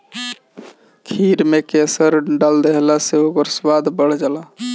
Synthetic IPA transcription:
kʰiːɾmẽkesəɾɖald̪eɦlaseokəɾswaːd̪ʱbəɽ̤d͡ʒala

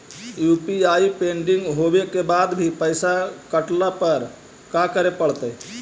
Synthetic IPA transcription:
jupiaipeɳɖiŋɡɦobekebad̪bʱipəɪsakəʈlapəɾ | kakəɾepəɽt̪əj

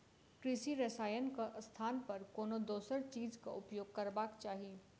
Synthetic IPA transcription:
kɾɪsiɾɐsaːjənkaʔst̪ʰaːnpɐɾkoːnod̪oːsəɾt͡ʃiːzka̰ʔʊpjoːɡ̚kɐɾbaːkt͡ʃaːɦieː

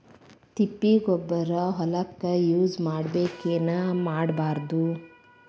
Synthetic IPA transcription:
t̪ipːiɡɔbːɐɾɐɦɔlɐkːɐjuːd͡ʒmaːɽbeːkeːnɐmaːɽbaːɾd̪u

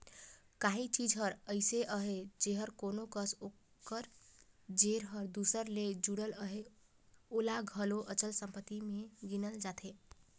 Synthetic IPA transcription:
kaɦit͡ʃid͡ʒɦəɾəɪseʔəɦed͡ʒeɦəɾkonokəso | kəɾd͡ʒeɾɦəɾd̪usəɾled͡ʒuɽələɦe | olaɡʱəloʔət͡ʃəlsəmpət̪ːimeɡinəld͡ʒat̪ʰe

